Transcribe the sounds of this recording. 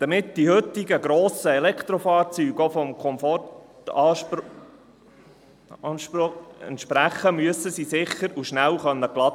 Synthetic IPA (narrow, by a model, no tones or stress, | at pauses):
d̪̥ɑmɪt̪̚d̥̪ihʏt̪ːɪɡəɡɾoːsəelɛkχt̪ɾofɑːɾt͡syːɡofɔmkʰɔmfɔtɑː | nʃpʊɛ̰nt̪ʃpɾæχəmyəsəsisɪχːəɾuʃnælχœnːəklɑt